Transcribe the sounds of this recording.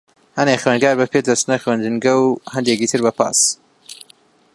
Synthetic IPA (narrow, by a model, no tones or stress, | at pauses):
hɐnexɥeːnɡaːɾbɐpʰeːd̪ɐst̪nɐxweːnd͡ʒɨnɡɐwhɐnd̪eːkiːt̪ʰɨɾbɐpʰa̰ːs